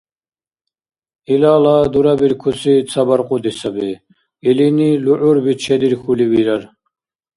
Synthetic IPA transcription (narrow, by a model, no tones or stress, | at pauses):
ilaːlad̪uɾabiɾkʰusit͡sʰabaɾqʼud̪isabi | iliniluʕuɾbit͡ʃʰɛd̪iɾxuliwiɾaɾ